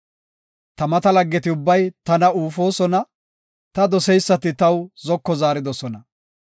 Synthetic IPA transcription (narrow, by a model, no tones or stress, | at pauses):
t̪ɐmɐt̪ɐlɐɡːɛt̪ɪʊbːɐjt̪ɐnɐuːfo̞ːsɔnɐ | t̪ɐd̪ɔsɛjsːɐt̪ɪt̪ɐwzɔkːɔzaːɾɪd̪ɔsɔnɐ